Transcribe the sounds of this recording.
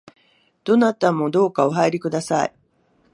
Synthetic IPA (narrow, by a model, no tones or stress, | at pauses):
d̪̥o̞nat̪amo̞d̪o̞ːkaoɦaiɾʲikɯ̟d̪asaḭ